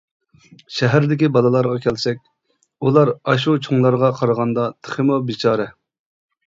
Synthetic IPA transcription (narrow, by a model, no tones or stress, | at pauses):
ʃɛɦæɾd̪ɪkʲibɑlˠɨlˠɑɾʁɑkʲʰɛlsɛk̚ʲ | ulˠɑɾɑʃ̬ut͡ʃʰuŋlˠɑɾʁɑqʰɑɾʁɑnd̪ɑt̪ʰə̥χɪmobit͡ʃʰɑːɾɛ